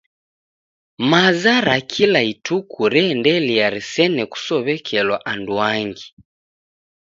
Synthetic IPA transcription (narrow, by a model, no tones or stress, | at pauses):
mazaɾakʰilaitukuɾɛndɛliaɾisɛnɛku̥sɔβɛkʰɛlwaʔanduaŋɡi